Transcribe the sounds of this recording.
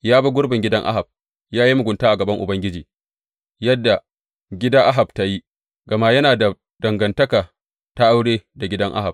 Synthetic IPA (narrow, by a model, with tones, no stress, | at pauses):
jaː˦ba˦ɡʷʊ˦ɽbɪ˨ŋɡʲɪ˦dɐ˦ŋʔa̰˦ɦa˨b̚ | jaː˦ji˦mʊ˨ɡʷʊ˨ntaː˦ʔa˨ɡɐ˨bɐ˦ŋʔʊ˨bɐ˦ŋɡʲɪ˦d͡ʒiː˨ | jɐ˦dːa˨ | ɡʲɪ˦daː˦ʔa˦ɦa˨bta˦ji˦ | ɡɐ˨ma˦jɐ˦naː˨da˨ | dɐ˨ŋɡɐ˨ntɐ˦kaː˨ | ta˦ʔa˦wɽeː˦da˨ɡʲɪ˦dɐ˦ŋʔa̰˦ɦa˨b̚